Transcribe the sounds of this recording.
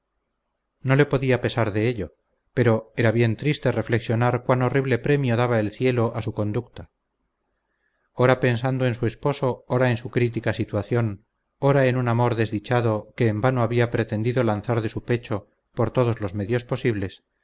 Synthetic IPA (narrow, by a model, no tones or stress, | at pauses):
no̞le̞po̞ðiape̞saɾðe̞eʎo̞ | pe̞ɾo̞e̞ɾaβje̞nt̪ɾist̪ere̞fle̞ksjo̞naɾkwano̞riβle̞pɾe̞mjo̞ðaβae̞lθje̞lo̞ʔasuko̞nd̪uk̚t̪a | o̞ɾape̞nsand̪oe̞nsue̞spo̞so̞oɾae̞nsukɾit̪̬ikasit̪waθjon | o̞ɾaenunamo̞ɾðe̞zðit͡ʃaðo̞keːmbanoaβiapɾe̞t̪e̞nd̪iðo̞lanθaɾðe̞supe̞t͡ʃo̞ | po̞ɾt̪o̞ð̞o̞zlo̞zme̞ðjo̞spo̞siβle̞s